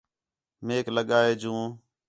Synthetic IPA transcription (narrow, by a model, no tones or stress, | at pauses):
meːkləɠaːeːd͡ʒũː